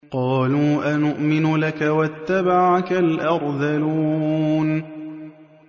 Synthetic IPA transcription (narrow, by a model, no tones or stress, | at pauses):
qɑːluːʔanʊʔmɪnʊlakawat̪ːabaʕakalʔɑɾˤdaluːn